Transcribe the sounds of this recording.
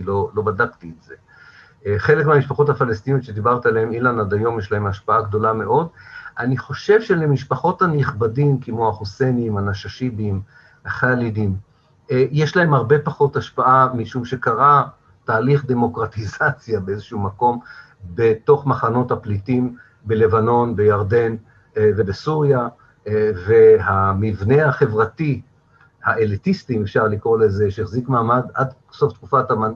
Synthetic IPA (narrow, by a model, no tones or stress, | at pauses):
lolo̞badaktietz̥e | χe̞lekmeamiʃpaχo̞thafalest̪inotʃed̪ibaʁt̪ialeemilanad̪ajo̞mjeʃlae̞maʃpaaɡdo̞lame̞ʔo̞dʔaniχo̞ʃe̞vʃe̞lemiʃpaχo̞thaniχbadimkemo̞aχuseniimanaʃaʃibim | aχaalidim | jeʃlae̞mhaʁbe̞paχo̞taʃpaʔamiʃumʃe̞kaʁa | taːliχd̪e̞mo̞kʁat̪izat͡sjabeezeʃumako̞m | beto̞χmaχano̞thaplitim | be̞le̞vano̞nbe̞jaʁd̪e̞n | ve̞besuʁja | ve̞ɦamivne̞haχe̞vʁati | haʔelitistimefʃaʁlikʁolezeʃeeχzikmaːmada̰d | so̞ftkufataman